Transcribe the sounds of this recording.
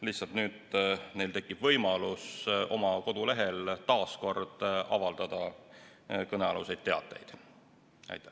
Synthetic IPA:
liht̪sɑlt̪nyːd̪ne̞jlt̪e̞kːˑib̥vɤjmɑluso̞mɑko̞d̪̥ule̞ɦe̞lt̪ɑːsko̞rd̪̥ɑvɑld̪̥ɑd̪̥ɑ | kɤneɑlṵse̞jd̪̥̚t̪ːe̞ɑ̰t̪ːˑe̞̰jd̪̥ | æ̰jt̪ːˑæ

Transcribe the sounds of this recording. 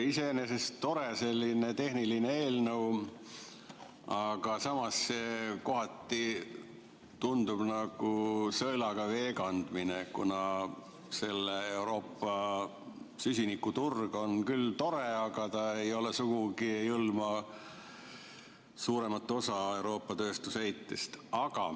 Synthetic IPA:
iseneseso̞ɾese̞lʲːine̞t̪e̞hniline̞e̞ːlnɤw | ɑɡ̥ɑsɑmɑsːe̞ko̞ɦɑt̪ːˑi | t̪und̪ub̥nɑɡ̥usɤlɑɡ̥ɑve̞ːɡɑnd̪̥minekṵnɑ | se̞lːeewɾo̞ːpːɑ | sysʲinikːut̪urɡ̥o̞nkylt̪o̞ɾe̞ɑɡɑt̪ɑe̞jo̞lesuɡ̥uɡiejɯlmɑ | suːɾe̞mɑt̪ːˑo̞sɑe̞wɾo̞ːpˑːɑt̪ø̞ːst̪usejt̪ːest̪ɑɡɑ̰

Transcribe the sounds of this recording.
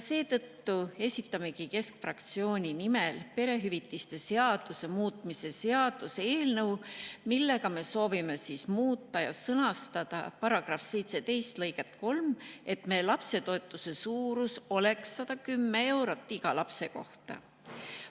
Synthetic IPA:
se̞ːt̪ɤt̪ːue̞sʲit̪ˑːɑme̞kike̞skfrɑkt̪sio̞ːnʲinimelpe̞ɾe̞ɦyvit̪ːˑist̪e̞se̞ɑd̪̥use̞muːt̪ˑmise̞se̞ɑd̪̥useeːlnɤwmilːe̞ɡ̥ɑme̞so̞ːvime̞siːsmuːt̪ˑːɑjɑ̰sɤnɑst̪ɑd̪̥ɑ̰pɑɾɑɡ̥rɑfse̞jt̪se̞t̪e̞jst̪lɤjɡet̪ːˑko̞lme̞t̪ːme̞ːlɑpse̞t̪o̞et̪ˑːuse̞suːɾuso̞le̞ksːɑd̪̥ɑkymːe̞e̞wɾot̪ːˑiɡ̥ɑlɑpse̞ko̞ht̪ɑ̰

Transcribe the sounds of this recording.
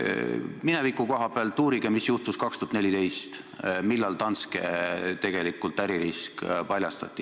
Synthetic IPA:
minevikːˑuko̞ɦɑpeɑlt̪ːˑuːɾiɡ̥emisjuht̪uskɑkst̪ut̪nelʲit̪e̞jst̪ | milːɑlt̪ɑnskḛt̪e̞ɡ̥e̞likːˑult̪ːˑæɾiɾiskpɑlʲjɑst̪ɑ̰t̪ʲˑːi

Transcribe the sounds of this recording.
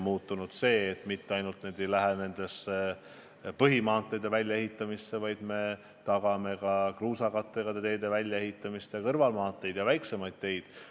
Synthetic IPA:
muːt̪ːˑunud̪̥se̞ːt̪ːˑmit̪ːeɑjnult̪neːd̪̥e̞jlæɦene̞nd̪̥e̞se | pɤɦimɑːt̪ˑːe̞jd̪e̞vælʲjɑe̞ɦit̪ːˑɑmisːe̞vɑjd̪̥me̞ | t̪ɑɡ̥ɑme̞kɑkruːsɑkɑt̪ːˑeɡ̥ɑd̪et̪e̞ːd̪e̞vælʲjɑe̞ɦit̪ːˑɑmist̪jɑkɤrvɑlmɑːt̪ːˑe̞jd̪̥jɑvæjkse̞mɑjd̪̥̚t̪e̞jd̪̥

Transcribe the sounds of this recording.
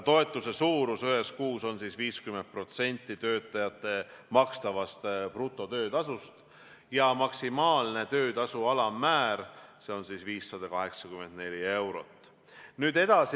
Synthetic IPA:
t̪o̞e̞t̪ːˑuse̞suːɾusøɦe̞skuːso̞nsiːsviːskyme̞nd̪̚pro̞t̪se̞nʲt̪ːit̪ø̞ːt̪ːˑɑjɑt̪ːˑe̞mɑkst̪ɑvɑst̪prut̪ːˑo̞t̪ø̞ːd̪ɑsust̪ | jɑmɑksimɑːlne̞t̪ø̞ːd̪ɑsuɑlɑmːæːɾse̞o̞nsiːsviːsːɑd̪̥ɑkɑɦe̞ksɑkyme̞nd̪ne̞lʲie̞wɾo̞̰t̪ːˑ | nyːd̪e̞d̪̥ɑs

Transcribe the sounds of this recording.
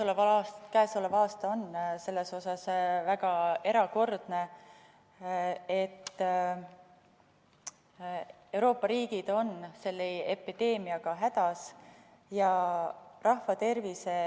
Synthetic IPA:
olevkæeso̞levɑːst̪ɑo̞nse̞lːe̞so̞sɑsvæɡ̥ɑe̞ɾɑko̞rd̪̥ne̞ | et̪ː | e̞wɾoːpːɑɾiːɡ̥id̪̥o̞nse̞lːeepid̪̥e̞ːmiɑɡ̥ɑɦæd̪̥ɑs | jɑ | rɑhfɑt̪e̞rvise

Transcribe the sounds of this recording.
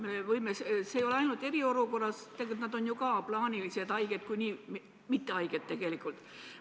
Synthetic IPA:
meevɤjmesseːjo̞le̞ɑjnult̪e̞ɾio̞luko̞rːɑst̪eɡt̪nɑd̪o̞njukɑplɑːnʲilise̞d̪̥ɑjɡ̥e̞d̪̥kujniːm | mit̪ːeɑjɡ̥ed̪t̪ːe̞ɡ̥e̞likˑult̪ˑ

